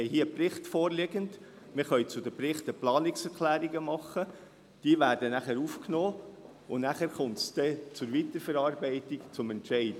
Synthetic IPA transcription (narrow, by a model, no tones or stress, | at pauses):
ɛjɦiːəprɪχtfoːɾleɡənd | mɪɾχœʏt͡sʊd̪əpɾɪχtəplɑːniksɛkʰlæːɾiɡəmɑχːə | d̥iːəʋæːɾd̥ənæχəɾufknoː | ʊnæχæɾχʊmtsd̥ɛt͡sʊɾʋit̪əɾfɛɾɑːɾbɛɪtikt͡sʊmɛntʃɛɪd̥ə